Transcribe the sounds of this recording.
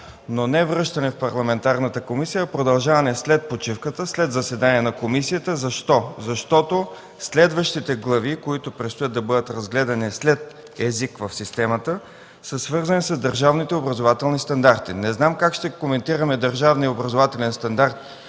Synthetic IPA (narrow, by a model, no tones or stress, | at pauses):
nonɛvɾɤʃt̪ɐnɛfpɐɾlˠɐmɛnt̪aɾnət̪əkomisijəpɾod̪ɐlˠʒavɐnɛslɛt̪̚pot͡ʃifkət̪əslɛd̪zɐsɛd̪aniɛnɐkomisijət̪əzɐʃt̪ɔzɐʃt̪ɔt̪o | slɛd̪vəʃt̪it̪ɛɡlˠɐvikoit̪opɾɛt̪st̪ojat̪ːɐbɤd̪ət̪ɾɐzɡlɛd̪ɐnislɛt̪ | ɛzikvəfsist̪ɛmət̪ə | səsvɤɾzɐnisəzd̪əɾʒavnit̪ɛobɾɐzovat̪ɛlˠnist̪ɐnd̪aɾt̪inɛznamkakʃt̪ɛkomɛnt̪iɾəmɛd̪əɾʒavnijobɾɐzovat̪ɛlɛnst̪ɐnd̪aɾt̪